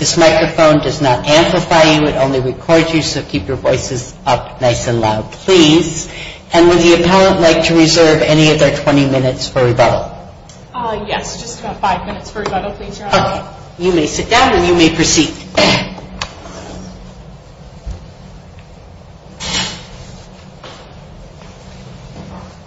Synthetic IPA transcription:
ðɪsmaɪkɹɨfõʊ̃ndʌznəɾæ̃mpləfaɪjɨɨɾõʊ̃nliɹɨkʰɔɹzjɨsoʊkʰipjə˞vɔɪsɨz | ʌpnaɪsɨ̃nlaʊd̚pʰl̥iz̥ | ɨ̃nwɨðiɨpʰæalˠə̃nʔlaɪk̚tʰɨɹɨzɜ˞vɛñiʌvðə˞tʰw̥ɛ̃ɾ̃imɪ̃nɨtsfə˞ɹibʌɾl̩ˠ | ʌjɛsd̥ʒ̥ʌstʰbatfaɪvmɪ̃nɨtsfə˞ibʌɾl̩ˠpʰl̥izoʊkʰeɪ | jɨmeɪsɪt̚d̥ãʊ̃nɨ̃njɨmeɪpʰə˞sid̥

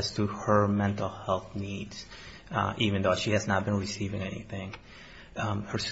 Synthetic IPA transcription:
z̥tʰɨə˞mɛ̃ntˡl̩ˠhɛlˠθnidz̥ | ʔivɨ̃nðoʊʃiɨznət̚b̥ɨ̃nɹɨsivɪ̃ŋɛnḭθɪ̃ŋ | hə˞s

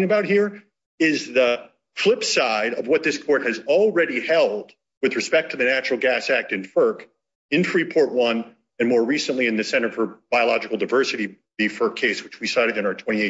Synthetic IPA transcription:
ŋɨəbaʊt̚hiɹ | ɪzðə | flɪpsaɪɾʌvwʌt̪̚ðɪskʰɔɹt̚hɨzl̩ˠɹɛɾihɛlˠd̥̚ | wɨðɹɨspɛk̚tʰɨðɨnæt͡ʃɹl̩ˠɡæsæk̚tɨ̃nfɜ˞k | ɨ̃nθɹipʰɔɹʔ̚wʌ̃n | ɨ̃nmɔɹɹisɨ̃nʔliɨ̃nðɨsɛ̃ɾ̃ə˞fə˞b̥aɪəlɑd͡ʒɨkl̩ˠdaɪvɜ˞sɨɾi | ðifɜ˞kʰeɪswɨt͡ʃwisaɪɾɨɾɨ̃nə˞tʰw̥ɛ̃ɾ̃ieɪ

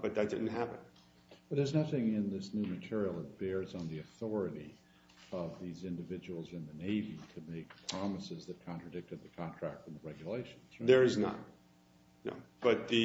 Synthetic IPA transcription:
b̥ʌt̪̚ðɨt̚d̥ɪ̰dⁿn̩tɦæpɨ̃n | b̥ʌɾɨznʌθɪ̃ŋɪ̃nðɪsnʉmɨtʰɪɹil̩ˠət̚b̥ɛɹzn̩ðiɨθɔɹɨɾi | ʌvðizɪ̃ndɨvɪd͡ʒɨwl̩ˠzɨ̃nðɨneɪviɾɨmeɪk̚pʰɹ̥ɑməsɨzðɨt̚kʰɑ̃ntɹ̥ɨdɪk̚tɨd̪̚ðɨkʰɑ̃ntʰɹ̥æk̚tfʌ̃mðəɹɛɡjɨleɪʃn̩z̥ðə˞ɨznə̰t̚ | no̰ʊb̥ʌt̪̚ðɨ

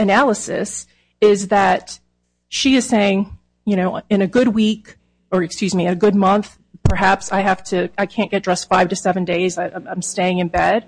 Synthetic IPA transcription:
ɨnælˠəsɨ̰s | ɪzðɨt | ʃiɨz̥seɪɪ̃ŋ | jɨɾ̃oʊɨ̃nɨɡʊd̚wik | ə˞ɨkskjʉzmiɨ̃nɨɡʊd̚mʌ̃nθ | pʰə˞ɦæpsaɪɦæftʰɨaɪkʰæ̃nɡ̥ɛt̚dɹɛstfaɪv̥tɨsɛvɨ̃ndeɪzaɪʔãɪ̃ãɪ̃msteɪɪ̃ŋɨ̃nbɛd̥

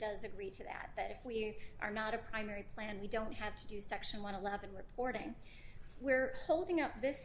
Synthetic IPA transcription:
d̥ʌzɨɡɹiɾɨðæ̰t̚b̥ʌɾɨfwiʔə̰˞nəɾɨpʰɹ̥ãɪ̃mɛɹipʰl̥æ̃nwidõʊ̃nt̚hæftʰɨdɨsɛkʃɨ̃nwʌ̃ñəlɛvɨ̃nɹɨpʰɔɹɾɪ̃ŋ | wɪɹhoʊlˠdɪ̃ŋʌp̚ðɪs

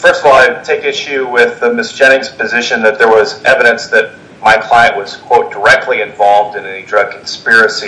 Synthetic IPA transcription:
fɜ˞stəvɔlˠaɪtʰeɪkɪʃʉwɪðɨmɪsd̥ʒ̥ɛñɪ̃ŋz̥pɨzɪʃɨ̃nðɨt̪̚ðə˞wʌzʔɛvɨɾɨ̃nsðɨt̚ | maɪkʰl̥aɪɨ̃nʔwʌz̥kʰw̥oʊt̚d̥ə˞ɛk̚tʰˡliɨ̃ɱvɑlˠvdɨ̃nɛidɹʌɡ̚kʰn̩spɪɹɨsi

